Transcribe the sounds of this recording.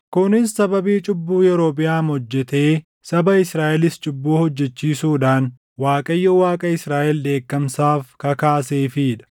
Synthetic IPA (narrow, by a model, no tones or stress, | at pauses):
kʊnɪsːɐbɐbiːt͡ʃʼɪbːuːjɛɾo̞ːpɪjaːnhɔd͡ʒːɛt̪e̞ː | sɐbɐɪsɾaːʔɛlɪst͡ʃʼʊbːuːhɔd͡ʒːɛt͡ʃːiːsuːᶑaːn | waːkʼɐjːɔwaːkʼɐɪsɾaːʔɛld̪e̞ːkːɐmsaːfkɐkaːseːfɪɪᶑɐ̥